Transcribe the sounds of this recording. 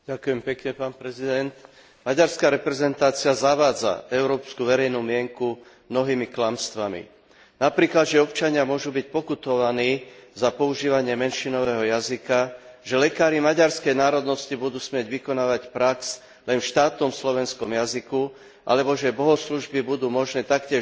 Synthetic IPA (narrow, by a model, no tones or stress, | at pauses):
ɟ̥akʊjɛmpɛkɲɛpaːnpɾɛzid̪ɛnt̪ | maɟaɾskaːɾɛpɾɛzɛnt̪aːt͡siazaʋaːd͡za̰ɛʊɾɔːpskuʋɛɾɛjnuːmɪɛŋku | mnɔɦiːmiklamst̪ʋamḭ | napɾiːklad̪ʒɛɔpt͡ʃaɲɪamʊɔʒuːbic̚pɔkut̪ɔʋaniːzapɔuʒiːʋaɲɪɛmɛnʃinɔʋɛːɦɔjazikaʒɛlɛkaːɾimaɟaɾskɛjnaːɾɔd̪nɔscibud̪uːsmɪɛɟʋikɔnaːʋacpɾaks | lɛnʃt̪aːt̪nɔmslɔʋɛnskɔmjaziku | ʔa̰lɛbɔʒɛbɔɦɔsluʒbibud̪uːmɔʒnɛːt̪akcɪɛ